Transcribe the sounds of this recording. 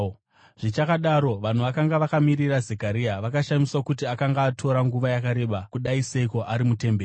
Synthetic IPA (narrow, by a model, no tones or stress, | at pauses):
ʐ̥it͡ʃakaɗaːɾo̞ʋan̤uʋakaŋɡaʋakamirirazekaɾiaʋakaʃamiswakut̬iakaŋɡaːtʰo̞ɾaŋɡuʋajakaɾe̞ːɓakuɗaiseiko̞ʔaɾimute̞mbeː